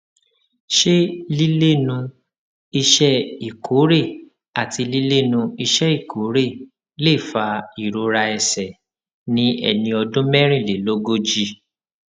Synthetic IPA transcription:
ʃe˦li˦le˦˨nũ˧ | i˧ʃɛ˦i˨kʰo˨˦ɾe˦˨ | a˨ti˧li˦le˦˨nũ˧i˧ʃɛ˦i˦˨kʰo˨˦ɾe˦˨ | le˦˨fa˧i˨ɾo˧˦ɾa˧ɛ˧sɛ˨ | nĩ˦ɛ̰˧˨nĩ˧ɔ˧dũ˦mɛ˦ɾ̃ĩ˦˨le˨lo˦ɡo˦d͡ʒi˧

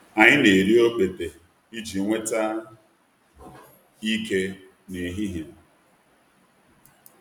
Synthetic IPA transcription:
a˨ɲɪ˦ne˨ɾi˦o˦k͡pe˨de˨ | i˦d͡ʒi˨ŋʷe˦ta˦ | i˦ke˦ | ne˨ɦi˦ɦja˨

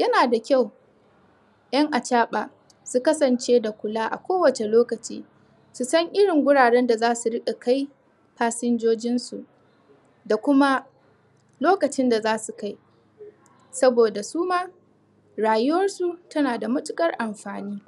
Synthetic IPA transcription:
jɐ˦naː˨da˨kʲa˦˨w | j̰ɐ˦ŋʔa˨t͡ʃaː˦ɓaː˨ | su˦kɐ˦sɐ˨nt͡ʃeː˦da˨kʷʊ˨laː˦ʔa̰˨kʷoː˦wɐ˨t͡ʃe˨loː˦kɐ˨t͡ʃḭː˦ | su˨sɐ˦ŋʔɪ˦ɽɪ˨ŋɡʷʊ˦ɽaː˨ɽɛ˦nda˨zaː˦su˨ɽɪ˦ɗa˨ka˦j | ɸaː˦sɪ˦nd͡ʒoː˦d͡ʒɪ˦nsu˨ʔ | da˨kʷʊ˦ma˦ | loː˦kɐ˨t͡ʃɪ˦nda˨zaː˦su˨ka˦j | sɐ˦boː˨da˨suː˦maː˦ | ɽaː˨jʊ˦wɐ˦rsu˦tɐ˦naː˨da˨mʊ˦tʼʊ˦kʼɐ˦rʔa˨mɸaː˨niː˦

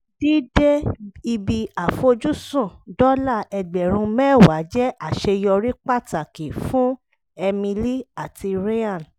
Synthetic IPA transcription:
di˦de˦i˧bi˧a˨fo˧d͡ʒu˦sũ˦˨dɔ˦la˦˨ɛ˧ɡ͡bɛ˨ɾ̃ũ˧mɛ̃˦˨wa˨˦d͡ʒɛ˦ʔa˦˨ʃe˧jɔ˧ɾi˦k͡pa˦˨ta˨ke˨fũ˦ | ɛ˧mĩ˧li˦a˨ti˧ɾe˦ã˦˨n

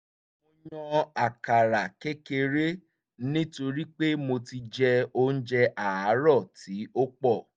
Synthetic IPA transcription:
mo˧jɔ̃˧a˨ka˨ɾa˨ke˦ke˧ɾe˦ | nĩ˦to˧ɾi˦k͡pe˦mo˧ti˧d͡ʒɛ˧o˦n̩˦d͡ʒɛ˧ʔa˨a˨˦ɾɔ˦˨ti˨˦o˦k͡pɔ˦˨

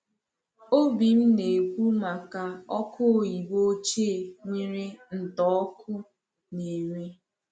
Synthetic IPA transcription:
o˦bi˨m̩˦ne˨kʷu˦ma˨ka˨ɔ˦kʰʊ˦˨ji˨ɡ͡bo˦t͡ʃe˦˨ŋʷi˦ɾe˦n̩˨tɔ˨˦kʰʊ˦ | ne˨ɾi˦

